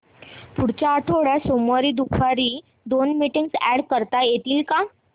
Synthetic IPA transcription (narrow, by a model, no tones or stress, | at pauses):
puɽt͡ɕat̪ʰoɽjasomɔɾiːd̪ukʰʋaɾiː | d̪onmiʈiŋɡsɛɽkəɾt̪ajet̪iːlka